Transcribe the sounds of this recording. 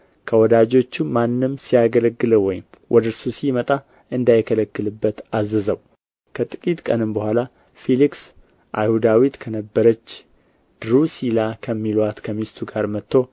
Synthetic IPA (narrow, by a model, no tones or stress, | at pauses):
kʰəwɔd̪ad͡ʒo̞t͡ʃːumanːɨmsijaɡələɡːɨləwɔjɪmwʔɔd̪ɨɾsusimət̪ʼa | ɨnd̪ajɪkʰələkːɨlɨbːət̪azəzəw | kʰət̪ʼɨkʼit̪ʼkʼənɨmbəhʷala | filiks | ʔa̰jhud̪awit̪kʰənəbːəɾət͡ʃː | d̪̥ɾusilakʰəmːilwat̪kʰəmist̪ʰuɡaɾmət̪ʰːo̞